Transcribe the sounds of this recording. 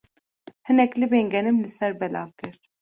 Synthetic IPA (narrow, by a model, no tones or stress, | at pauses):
hɨnɛklɨbeːŋɡɛnɨmlɨsɛɾbɛla̰ːvkɨɾ